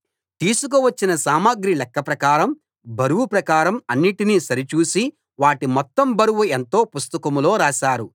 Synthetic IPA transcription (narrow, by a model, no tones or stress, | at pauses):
t̪iːsuk̬uʋɐt͡ʃːinɐsaːmaːɡɾilɛkːɐpɾɐkaːɾɐm | bɐɾuʋupɾɐkaːɾɐmɐnːiʈiniːsɐɾit͡ʃuːsi | ʋaːʈimɔt̪ːɐmbɐɾuʋue̞nt̪o̞ːpust̪ɐkɐmuloːɾaːʃaːɾu